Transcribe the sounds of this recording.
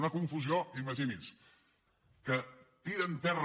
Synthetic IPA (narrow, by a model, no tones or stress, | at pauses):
nəkuɱfuzioiməʒinis | kət̪iɾənt̪ɛr